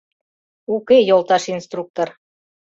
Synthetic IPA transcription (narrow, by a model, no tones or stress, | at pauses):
ukejolˠt̪ɑʃinst̪ruk̚t̪or